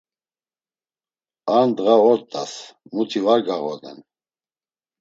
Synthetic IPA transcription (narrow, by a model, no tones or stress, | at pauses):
and̪ɣaɔɾt̪ʼa̰smut̪ʰivaɾɡaɣɔd̪ɛ̰n